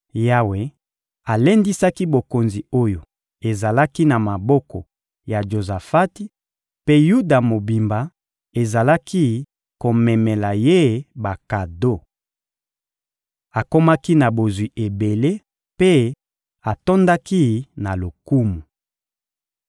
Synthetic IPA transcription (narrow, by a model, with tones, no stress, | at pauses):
ja˦we˨ | a˨le˦ndi˦sa˦ki˦bo˨ko˨nzi˨o˦jo˨ | e˨za˨la˦ki˦na˨ma˨bɔ˦kɔ˨ | ja˨ʒo˨za˨fa˦ti˦ | pe˦ju˦da˨mo˨bi˨mba˨ | e˨za˨la˦ki˦ | ko˨mɛ˨mɛ˨la˨je˦ba˨ka˨do˦ | a˨ko˦ma˦ki˦na˨bo˨zwi˨ʔe˨be˨le˦ | pe˦ | a˨to˦nda˦ki˦na˨lo˨ku˦mu˨